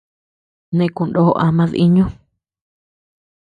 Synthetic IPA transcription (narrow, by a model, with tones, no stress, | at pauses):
nẽ˧ku˧ndo˦˧ʔa˧mã˧ðḭ˦ɲũ˦